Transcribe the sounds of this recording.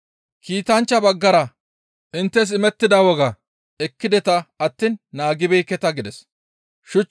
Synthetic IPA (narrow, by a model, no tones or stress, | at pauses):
kiːt̪ɐnt͡ʃːɐbɐɡːɐɾɐ | ʔɪnt̪ːɛs̬ɪmɛt̪ːɪd̪ɐwɔɡɐ | ɛkːɪd̪ɛt̪ɐɐt̪ːinːaːɡɪbɛjkːɛt̪ɐɡɪd̪ɛs | ʃʊt͡ʃ